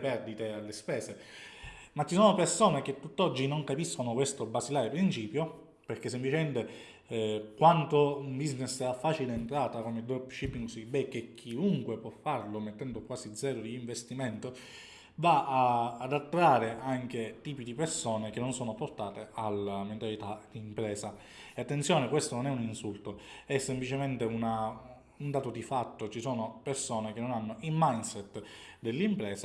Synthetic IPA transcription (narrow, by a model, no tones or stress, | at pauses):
pɛrd̪it̪ealːespɛːse | mat͡ʃːisoːnopersoːnek̟et̪ːut̪ːɔd͡ʒːinoŋkapiskonokwest̪obasilaːɾepɾint͡ʃiːpjo | perk̟esːemplit͡ʃement̪e | kwant̪ombiznesɛafːaːt͡ʃileːnt̪ɾaːt̪akomed̪ɔpʃipːiŋɡsibɛkːek̟ʰːiuŋkwepwɔfːarlomet̪ːɛnd̪okwaːsid̪zɛːɾod̪elːiɱvest̪iment̪o | vaaːd̪at̪ːɾaːɾeʔaŋk̟et̪iːpid̪ipersoːnek̟enːonsoːnoport̪aːt̪ealament̪alit̪ad̪̥iːmpɾɛːsa | eat̪ːent̪sjoːnekwest̪ononɛuninsult̪oɛsːemplit͡ʃement̪euna | und̪aːt̪od̪ifat̪ːot͡ʃisoːnopersoːnek̟enːonanːoilmajnsɛt̪ːd̪elːimpɾɛːsa